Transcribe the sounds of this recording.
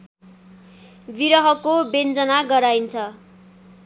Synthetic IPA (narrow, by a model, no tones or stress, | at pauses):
biɾʌɦʌkobend͡zʌnaɡʌɾajnt͡sʰʌ